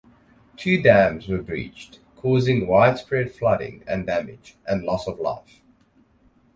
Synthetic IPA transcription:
tʰʉːdæ̃mzwəbɹḭˑt͡ʃt | kʰɔːzɪ̃ŋwaɪd̥spɹɛd̥flʌɾɪ̰̃ŋə̰̃ndæmɪ̰d͡ʒʔə̃nlɔsəvla̰ɪf

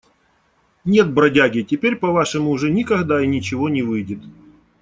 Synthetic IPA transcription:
nʲe̞t̪̚bɾɐdʲaɡʲɪtʲɪpʲeɾʲpɐvaʂɨmʊʊʐɛnʲɪkɐɣd̪ainʲɪt͡ɕɪvo̞nʲɪvɨjdʲɪt̪

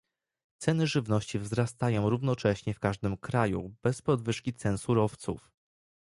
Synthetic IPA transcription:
t̪sɛnɘʐɘvnɔɕt͡ɕivzɾast̪ajɔ̃w̃ɾuvn̪ɔt͡ʂɛɕɲɛfkaʐd̪ɘmkɾajṵb̥ɛspɔd̪vɘʂkʲit̪sɛnsuɾɔft̪suf

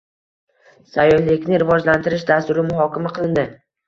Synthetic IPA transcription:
sajːɒhlɪkʲnɪɾɪvɒd͡ʒlant̪ɪɾɪʃd̪ast̪ʊɾɪmʊɦɒkʲamaqʰɨlˠɪnd̪ɪ

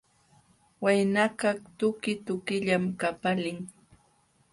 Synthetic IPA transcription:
wajnakaχt̪ʊkɪt̪ʊkɪʎamkapalɪŋ

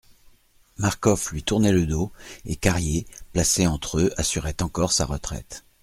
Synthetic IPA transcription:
maʁkɔflɥit̪uʁnɛləd̪oekaʁjeplaseɑ̃t̪χøasyʁɛt̪ɑ̃kɔʁsa̰ʁət̪χɛ̰t̪

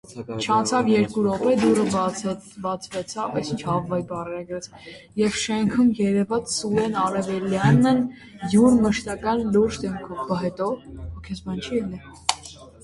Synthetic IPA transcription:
t͡ʃʰɑnt͡sʰɑvjɛɾkuɾɔpɛd̪urə | vɑt͡sʰvɛt͡sʰɑvɛsʰit͡ʃʰɑvːɑibɑrɛɾɛɡɾɛt͡sʰjɛvʃɛŋkʰumjɛɾɛvɑt͡ssulɛnɑɾɛvɛljɑnːə | juɾməʃt̪ɑkɑnluɾd͡ʒd̪ɛmkʰɔvɡɑɦɛt̪ɔhɔkʰɛsbɑnt͡ʃʰiɛli

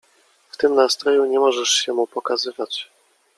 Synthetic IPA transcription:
ft̪ɘmnast̪ɾɔjuɲɛmɔʐɛʂɕɛmupɔkazɘvat͡ɕ

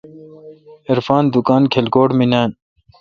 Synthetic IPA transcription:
eɾfaːnd̪ukaːnkʰelɡoːʈminaːn

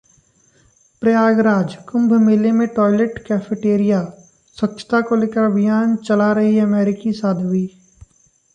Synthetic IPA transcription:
pɾɐjaːɡɾaːd͡ʒkʊ̃mbʱmeːlemẽʈɔːɪleʈkɛːfeʈeːɾija | swɐkt͡ʃʰə̥t̪akoleːkəɾɐbʱɪjaːnt͡ʃɐlaɾɐɦiɐmɛːɾɪkisaːd̪ʱʋiː

